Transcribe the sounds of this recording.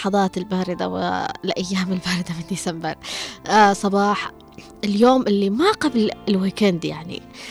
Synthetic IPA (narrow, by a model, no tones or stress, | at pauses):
ħɑðˤɑːt̪ɪlbaːɾɪd̪a̰wɪ̰lʔajːaːmɪlbaːɾɪd̪amɪnd̪isambɪɾˤ | sˤɑbɑːħ | ʔɪljoːmʔɪlːimaqablɪlwiːkand̪ja̰ʕnḭ